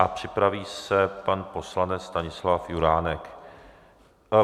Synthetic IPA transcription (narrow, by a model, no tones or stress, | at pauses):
ʔapr̝̥ɪpɾaviːsɛpanpo̞slanɛt͡sst̪aɲɪslafjuɾaːnɛk